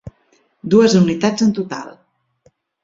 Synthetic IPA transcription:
d̪uəzunit̪ad͡zənt̪ut̪a̰lˠ

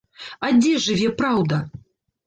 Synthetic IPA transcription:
ad͡zʲɛʐɨvʲɛpɾawd̪ɐ

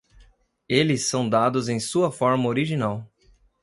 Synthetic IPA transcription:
elɪsːɐ̃w̃d̪ad̪ʊzẽj̃suɐfɔɾmɐoɾiʒinaw

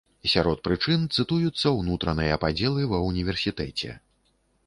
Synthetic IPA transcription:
sʲaɾɔt̪̚pɾɨt͡ʂɨnt̪sɨt̪ujut̪sːɐwnut̪ɾɐnɨjɐpad͡zʲɛlˠɨvɐwnʲivʲɛrsʲit̪ɛt͡sʲɛ̰

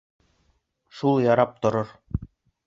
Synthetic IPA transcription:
ʃulˠjɑɾɑp̚t̪ŏɾɤɾ

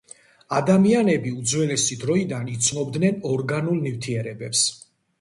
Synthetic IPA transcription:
ad̪amianɛbiud̪zwɛlɛsid̪ɾɔid̪anit̪sʰnɔbd̪nɛnɔɾɡanulˠnift̪ʰiɛɾɛbɛps

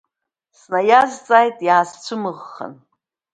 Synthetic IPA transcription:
snajazt͡sʼajtʼjaːzt͡ʃʷʰɨmɨʁːə̰n

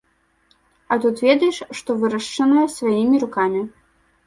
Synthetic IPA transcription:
ɐt̪ut̪vʲɛd̪ɐjɛʂʂt̪ɔvɨɾɐʂt͡ʂɐnɐjɛsvajimʲiɾukamʲi

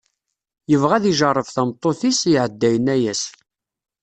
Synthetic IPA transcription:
jəvʁæðiʒərˤːəfθæmt̪ˤːoθisʕəd̪ːæjənæjæs

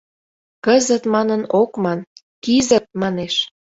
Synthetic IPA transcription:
kəzə̆t̪mɑnənokmɑn | kizə̆t̪̚mɑneʃ

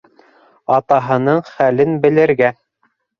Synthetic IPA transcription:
ɑt̪ɑɦɤ̆nɤɴχælɘnbɘ̆lɘ̆ɾɡæ

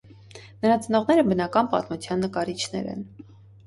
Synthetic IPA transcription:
nəɾɑt͡sənɔʁnɛɾəbənɑkɑnpɑ̰t̪mut͡sʰjɑnːəkɑɾit͡ʃʰnɛ̰ɾɛ̰n

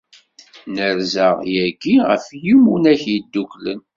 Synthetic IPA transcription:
nəɾzəʁjæɡiʁə̰fjimunæçjid̪ːuklən

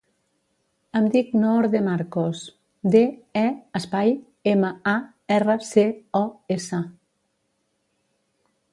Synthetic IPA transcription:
əmd̪iknɔɾðemaɾkos | d̪eɛəspaj | eməa | ɛrəseɔesə

